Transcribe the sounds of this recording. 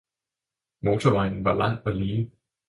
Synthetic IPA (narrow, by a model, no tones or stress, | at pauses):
motəmãɪ̃nvəlã̰nəliː